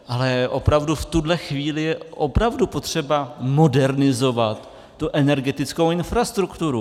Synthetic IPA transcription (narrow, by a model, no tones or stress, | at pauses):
ʔalɛʔo̞pɾavduft̪udlɛxviːlɪjɛʔo̞pɾavdupo̞t̪r̝̥ɛbamo̞dɛɾnɪzo̞vat̪ː | uʔɛnɛɾɡɛt̪ɪt͡sko̞wɪnfɾast̪ɾukt̪uɾu